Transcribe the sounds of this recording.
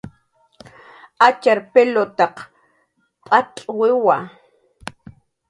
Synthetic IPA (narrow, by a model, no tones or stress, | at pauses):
at͡ʃaɾpelot̪ɑq | pʼat̪ʼwɪwa